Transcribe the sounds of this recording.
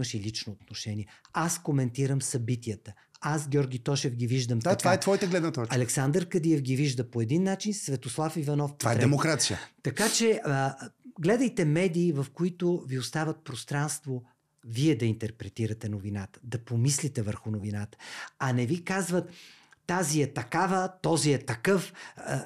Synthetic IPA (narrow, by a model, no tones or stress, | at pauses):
əʃilit͡ʃnoːt̪noʃɛniɛaskomɛnt̪iɾəmsɐbit̪iət̪ə | asɡʲɔɾɡʲit̪ɔʃɛvɡʲiviʒd̪əmt̪ɐt̪ovaɛt̪vɔjit̪əɡlɛd̪nət̪ɔt͡ʃɐlɛksand̪əɾkɐd̪iɛfɡʲiviʒd̪əpoɛd̪inːat͡ʃinsvɛt̪oslˠafivɐnɔfpvaɛɾɛdɛɛmokɾat̪sijə̰t̪ɐkat͡ʃɛ | ɡlɛd̪əjt̪ɛmɛd̪iːvɐfkoit̪ʊviost̪avət̪̚pɾost̪ɾanst̪vo | viɛd̪ɐint̪ɛɾpɾɛt̪iɾət̪ɛnovinat̪ə̥d̪ɐpomislit̪ɛvəɾxʊnovinat̪ə̥ɐnɛvikazvət̪ːaziɛt̪ɐkavət̪ɔziɛt̪ɐkɤf